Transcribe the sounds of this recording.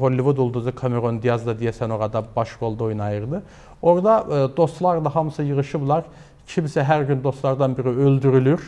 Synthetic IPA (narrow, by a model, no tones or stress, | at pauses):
ɦolʲːivud̪ulˠd̪uzɯkʰameɾo̞nd̪ijazd̪ad̪ijesɛno̞ɾad̪abaʃɡo̞lˠd̪ojunajɯɾd̪ɯ | o̞ɾd̪ad̪o̞st̪lˠaɾlˠaɦamsɯjɯɾɯʃɯblˠaɾ | cʰimsɛɦæɾɟynd̪o̞st̪lˠaɾd̪anbiɾiølʲd̪yɾylʲyɾ